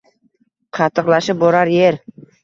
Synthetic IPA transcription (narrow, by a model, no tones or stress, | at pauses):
qʰɑt̪ʰːɨqlˠaʃɪp̚boɾaɾjeɾ